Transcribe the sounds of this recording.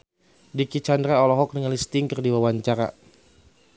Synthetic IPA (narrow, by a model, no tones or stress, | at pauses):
dikit͡ʃandɾaɔlɔɦɔk̚nəŋalist̪ɪŋkərdiwawaɲt͡ʃaɾa̰